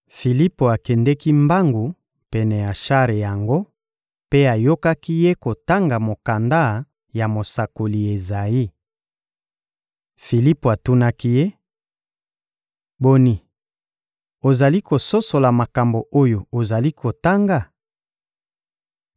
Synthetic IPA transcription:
fi˨li˦po˨a˨kɛ˨ndɛ˦ki˦mba˦ŋɡu˨ | pɛ˨nɛ˨ja˨ʃa˦ʁe˨ja˨ŋɡo˦ | pe˦a˨jo˦ka˦ki˦je˦ko˨ta˦ŋɡa˨mo˨ka˨nda˦ | ja˨mo˨sa˨ko˨li˨e˨za˨i˦ | fi˨li˦po˨a˨tu˦na˦ki˦je˦ | bo˨ni˨ | o˨za˨li˦ko˨so˦so˨la˨ma˨ka˨mbo˨ʔo˦jo˨o˨za˨li˦kʰo˨ta˦ŋɡa˨

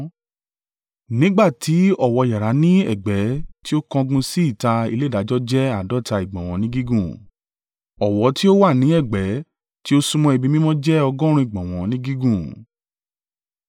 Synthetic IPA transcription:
nĩ˨˦ɡ͡ba˦˨ti˨˦ɔ˦˨wɔ˧˨ja˨ɾa˨˦nĩ˦ɛ̰˦˨ɡ͡bɛ˨˦ti˦o˦kɔ̃˧ɡũ˧si˦i˦˨ta˧ḭ˧le˦˨da˨˦d͡ʒɔ˦d͡ʒɛ˦a˦˨dɔ˦ta˧i˨ɡ͡bɔ̃˨w̃ɔ̃˨˧˦nĩ˦ɡi˦ɡũ˦˨ | ɔ˨wɔ˨˦ti˦o˦wa˦˨nĩ˨˦ɛ˦˨ɡ͡bɛ˨˦ | ti˦o˦sũ˧mɔ̃˧i˨bĩ˧mĩ˦mɔ̃˦d͡ʒɛ˦ɔ˧ɡɔ̃˦ɾ̃ũ˧˦i˨ɡ͡bɔ̃˨w̃ɔ̃˨nĩ˦ɡi˦ɡũ˦˨

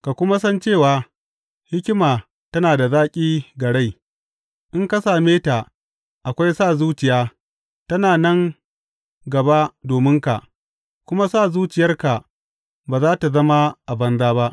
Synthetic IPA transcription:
ka˨kʷʊ˦ma˦sɐ˦nt͡ʃeː˦˨waː˨ | hɪ˦kʲɪ˦maː˨ | tɐ˦naː˨da˨zaː˦kʲʼiː˦ɡɐ˨ɽa˦˨j | ʔɪ˦ŋka˦saː˨meː˦ta˨ | ʔa˨kʷa˦jsaː˦˨zuː˦t͡ʃɪ˨jaː˦ | tɐ˦naː˨nɐ˦ŋ | ɡɐ˨ba˦doː˨mɪ˦ŋka˨ʔ | kʷʊ˦ma˦saː˦˨zuː˦t͡ʃɪ˨jɐ˦rka˨ | baː˨zaː˦ta˨zɐ˦ma˦ʔa˨bɐ˦nzaː˦ba˦ʔ

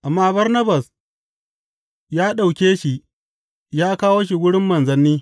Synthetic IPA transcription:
ʔa˨mːaː˦bɐ˦rnɐ˦ba˨s | jaː˦ɗa˨wkʲeː˦ʃi˨ʔ | jaː˦kaː˦woː˦ʃ̬i˨wʊ˦ɽɪ˦mːɐ˨nzɐ˦nːiː˦

